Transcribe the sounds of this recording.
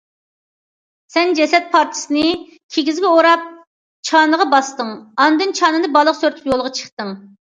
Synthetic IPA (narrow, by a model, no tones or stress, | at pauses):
sɛnd͡ʒɛsɛt̪̚pʰɑɾt̪ʰɨ̥sɨnɪ | kʲʰeɡʲizɡʲɛoɾɑp̚ | t͡ʃʰɑːnəʁɑbɑst̪ɨŋɑnd̪ɨnt͡ʃʰɑːnɨd̪ɨbɑlˠəqsøɾt̪ʰypjolˠʁɑt͡ʃʰə̥χt̪ɨŋ